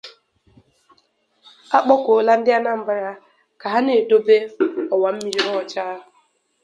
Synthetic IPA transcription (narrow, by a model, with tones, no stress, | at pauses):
a˦k͡pɔ˦kʷo˨la˦n̩˦dɪ˦a˦na˦m̩˦ba˨ɾa˦ | ka˨ɦa˦ne˨do˦be˦ɔ˨wa˨m̩˦mi˦ɾi˦ɔ˦˨t͡ʃaː˦˨